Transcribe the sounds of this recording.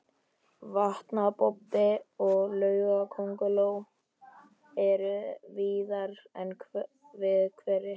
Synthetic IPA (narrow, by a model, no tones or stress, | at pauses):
vaht̪napɔpɪɔɣlœːɥɣakʰowŋkʏloːw | ɛɾviːðaɾɛnʰ | vɪðkʰvɛɾɪ